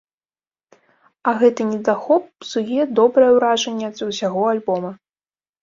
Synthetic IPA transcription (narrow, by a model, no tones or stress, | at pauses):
ɐɣɛt̪ɨnʲɛd̪axɔp̚sujɛd̪ɔbɾɐjɛwɾaʐɐnʲːɛɐd̪zʲwsʲaɣɔalʲbɔmɐ